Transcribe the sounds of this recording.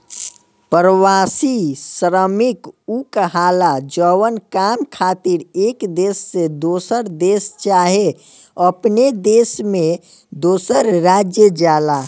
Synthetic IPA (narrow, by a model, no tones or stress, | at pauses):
pəɾwaːsisɾəmɪkukɦaːlad͡ʒəwənkaːmkʰaːt̪iɾeːkd̪eːsːed̪oːsəɾd̪eːst͡ʃaːɦe | əpned̪eːsmẽ | d̪oːsəɾɾaːd͡ʒjəd͡ʒaːlaː